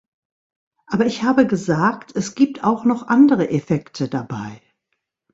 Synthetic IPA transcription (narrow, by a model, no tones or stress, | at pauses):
ʔaːbɐɪçhaːbəɡəzaːktʰɛsɡ̥iːp̚tʰaʊxnɔχʔandəʁəʔefɛktʰədaba̰ɪ